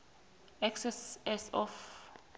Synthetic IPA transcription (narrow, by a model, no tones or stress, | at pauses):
ɛksɛsɛsɔf